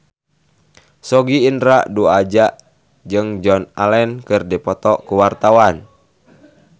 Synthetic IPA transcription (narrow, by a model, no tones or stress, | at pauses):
sɔɡiːndɾaʔduad͡ʒaʔ | d͡ʒɨŋd͡ʒɔnalɛnkɨrdipɔt̪ɔʔkuwart̪awan